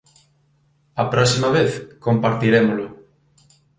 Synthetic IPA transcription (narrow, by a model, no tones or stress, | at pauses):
ɐpɾɔsimɐβeθkompaɾt̪iɾemolʊ